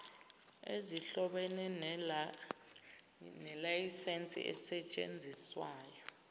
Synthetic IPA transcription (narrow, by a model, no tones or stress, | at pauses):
eziɬɔɓɛnɛ | nɛlajisent͡sʼḭʔɛ̰sɛt͡ʃʼḛnd͡zʱiswaːjɔ